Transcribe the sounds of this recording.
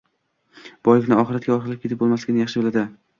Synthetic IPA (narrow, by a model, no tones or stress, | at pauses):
b̥ɒjlɪkʲnɪɒχɨɾat̪̚ɡʲaɒɾχɪɾlɪp̚kʰʲeɪp̚bolˠmaslɪɡʲɪnɪjaɑχʃɪbɪlad̪ɪ